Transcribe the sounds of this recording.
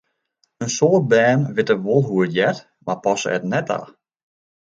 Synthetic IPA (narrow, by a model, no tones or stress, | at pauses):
ənsoːrt̚bɛːnʋɪtəʋolˠɦuətjɛt | mapɔsə̰ɛ̰tnɛta̰ː